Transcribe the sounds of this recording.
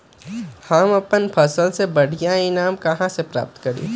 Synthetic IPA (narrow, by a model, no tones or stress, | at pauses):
hamɐpənpʰɐsəlsebɐɽ̤ijainaːmkɐɦãsepɾa̰ːp̚t̪kɐɾḭː